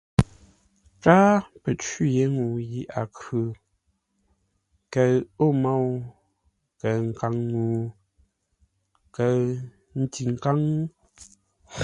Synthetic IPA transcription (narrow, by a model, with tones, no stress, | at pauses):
kaː˦pə˨t͡ʃi˦˨je˨˦ŋu˨ji˦ʔa̰˨kɯ˨ | kɛ˨o˦˨ma˦˨w | kɛ˨ŋ̩˨ka˨ŋnu˨ | kɛ˨ | n̩˦ti˨ŋ˦˨ka˦ŋ